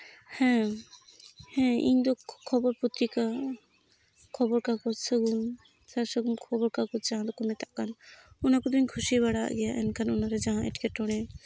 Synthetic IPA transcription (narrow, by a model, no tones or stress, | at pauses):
hɛ̃ | hɛ̃ḭɲd̪ɔkʰːɔbɔɾput̪ɾika | kʰɔbɔɾkakɔsəɡum | saɾsəɡumkʰɔbɔɾkakɔd͡ʒaɦãd̪ɔkɔmɛt̪aʔkan | unakud̪iɲkʰusiβaɽa̰ɡɛjaʔɛ̰nkʰanunaɾɛd͡ʒaɦãʔɛ̰ʈkeʈɔɽ̃ɛ̃